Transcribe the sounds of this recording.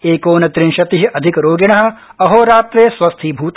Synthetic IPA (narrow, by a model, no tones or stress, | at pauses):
eːkoːnɐt̪ɾinʃɐt̪iɦiʔɐd̪ʱikɾoːɡiɳɐɦɐ̆ɐɦoːɾaːt̪ɾeːsʋɐst̪ʰibʱuːt̪